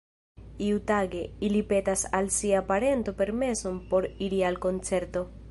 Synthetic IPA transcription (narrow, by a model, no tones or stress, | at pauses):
iut̪aɡe̞ilipet̪asalsiapaɾe̞nt̪ope̞ɾmesompo̞ɾiɾialko̞nt͡se̞ɾt̪o̞